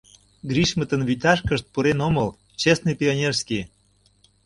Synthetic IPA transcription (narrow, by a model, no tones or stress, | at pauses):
ɡɾiʃmə̆t̪ə̆nβyt̪ɑʃkəʃt̪̚puɾenoməl | t͡ɕesnijpʲionʲerski